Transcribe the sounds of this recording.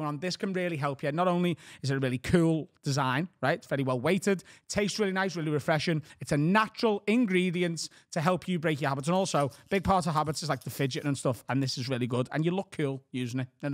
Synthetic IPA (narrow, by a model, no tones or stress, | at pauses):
nə̃nðɪskʰə̃nɹɪəlˠiɦɛlˠpʰjə̃nːəɾõʊ̃nliɪzɪəɹɪlikʰuːlˠd̥ɪzãɪ̃nɹaɪtsv̥ɛɹiwɛlˠweɪtɪdtʰeɪstɹɪːliñaɪs̬ɹɪːlˠiɹɪfɹɛʃə̃nɪtsənat͡ʃəɹəlˠɪ̃nɡɹiːdiə̃ns | tʰəɦɛlˠpʰjəbɹeɪkjəhabɪts̬ə̃nɔˑlˠsoʊb̥ɪɡ̚pʰɑɹtəv̥ɦabɪtsɪzlaɪk̚ðəfɪd͡ʒɪʔə̃nstʊfə̃nðɪsɪzɹɪːlˠiɡʊdə̰̃njəlʊkʰːʉːlˠjʉːzɪ̃ŋɪtə̃